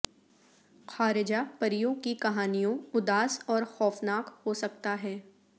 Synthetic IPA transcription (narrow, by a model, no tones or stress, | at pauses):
xʰaːɾɪd͡ʒapɐɾijõkikɐɦaːnijõʊd̪aːsɔːɾxɔːfnaːkhosɐk̚t̪aɦɛː